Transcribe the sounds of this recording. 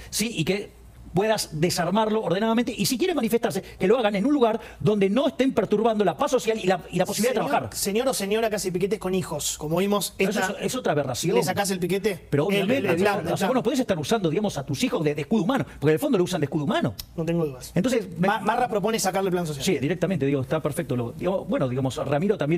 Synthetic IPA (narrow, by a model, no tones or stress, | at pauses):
siʔike | pweðasd̪esaɾmaɾlo̞ːɾðenaðament̪eʔisik̬je̞ɾemanife̞st̪aɾse̞keloaɣanenũnluɣaɾ | ðo̞nd̪eno̞est̪empeɾt̪uɾβand̪o̞lapaso̞sjalilailaposiliaet̪ɾaβaaxaɾsenjoɾosenjoɾakasepiket̪ehkonixoskomoβimoseesesoesot̪ɾaβerasjonsakas̬elpiket̪epeɾoːβjamẽnt̪eðooseβonop̬oðes̬et̪aɾusand̪o̞ðiɣamosat̪usixozðeðehkuðumanopoɾkenelfond̪olous̬and̪ekuðumano̞not̪eŋɡoðuðasent̪onsesemarapɾop̬onesakaɾleplans̬os̬jasiðiɾek̚t̪ament̪eðiɣoest̪apeɾfek̚t̪oloðiɣamobwenoðiɣamo̞sramiɾot̪ambjen